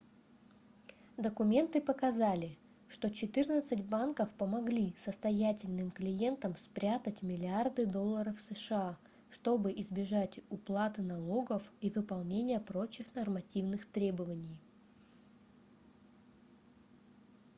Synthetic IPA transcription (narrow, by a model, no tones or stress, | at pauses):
d̪əkʊmʲe̞nt̪ɨpəkɐzalʲɪ | ʂt̪ot͡ɕɪt̪ɨrnət̪sɨtʲbankəfpəmɐɡlʲisəst̪ɐjætʲɪlʲnɨmklʲɪje̞nt̪əmspɾʲat̪ətʲmʲɪlʲɪard̪ɨd̪o̞lˠːəɾəfsəʂɨa | ʂt̪o̞bɨʔɪzbʲɪʐatʲʊplˠat̪ɨnɐlˠo̞ɡəfivɨpɐlˠnʲenʲɪjəpɾo̞t͡ɕɪxnɐrmɐtʲivnɨxt̪ɾʲe̞bəvənʲɪj